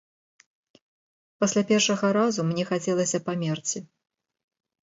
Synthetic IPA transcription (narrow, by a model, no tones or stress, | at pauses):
pasʲlʲapʲɛrʂɐɣɐɾazumnʲɛxat͡sʲɛlˠɐsʲɐpamʲɛrt͡sʲi